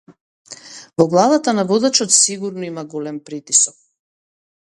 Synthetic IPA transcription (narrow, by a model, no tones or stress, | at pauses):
vɔɡlˠad̪at̪anavɔd̪at͡ʃɔt̪siɡuɾnɔimaɡɔlɛmpɾit̪isɔk̚